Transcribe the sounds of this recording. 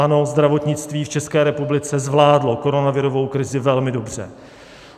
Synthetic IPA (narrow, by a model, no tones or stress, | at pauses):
anozd̪ɾavo̞t̪ɲɪt͡st̪viːft͡ʃɛskɛːɾɛpublɪt͡sɛzvlaːdlo̞ko̞ɾo̞navɪɾo̞vo̞wkɾɪzɪvɛlmɪdo̞br̝̥ɛ̰